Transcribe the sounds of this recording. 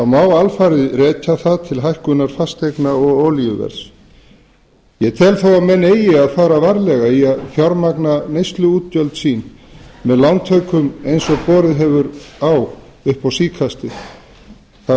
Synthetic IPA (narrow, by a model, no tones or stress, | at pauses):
awmaːwalfaɾɪðrɛːcaθaðt̪ʰɪlɦajhkʏnaɾ̥fast̪ejknaɔɣoːwliʏvɛ̰ɾs | jɛt̪ʰɛːlθawawmɛnːeːjɪaðfaːɾavaɾlɛɣaiaðfjaɾmaknanejst̪lʏuːt̪̚cœlt̪siːnmɛðlawnt̪ʰœɥkʏmejnsɔɣpɔːɾɪðɦɛvʏɾawʏhpawsiːkʰast̪ɪ | θa